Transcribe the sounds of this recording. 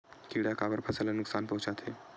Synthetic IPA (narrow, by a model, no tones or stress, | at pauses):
kiːɽakaːbəɾpʰɐsəlanʊksaːnpɐɦʊ̃t͡ʃaːt̪ʰeː